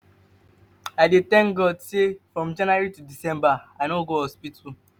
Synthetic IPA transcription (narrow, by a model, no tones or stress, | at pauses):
aɪdet̪ɛ̃ŋk̚ɡɔdsefɹɔ̃md͡ʒãnwaɹitudisɛ̃mbaaɪnoɡoɔspitu